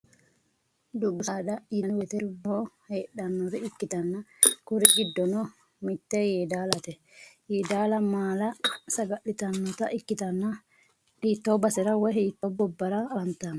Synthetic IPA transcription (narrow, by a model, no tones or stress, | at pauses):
d̪ʊɡːʊsaᶑɐjɛwɛt̪ɛɾboːheːɗɐnːɔɾɛɪkːɪt̪ɐnːɐkʊɾɛɡɪd̪ːɔnɔ | mɪt̪ːɛjeːd̪aːlɐt̪ɛ | jɛd̪aːlɐmaːlɐsɐɡɐʔːɪt̪ɐnːɔt̪ɐʔɪkːɪt̪ɐnːɐ | hiːt̪ːoːbɐsɛɾɐwɔhiːt̪ːobɔbːɐɾɐːɐnt̪an